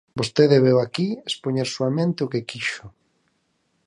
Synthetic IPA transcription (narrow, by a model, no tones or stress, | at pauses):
bost̪eðeβewakiespoɲeɾsuamẽnt̪ɪʊkekiʃʊ̥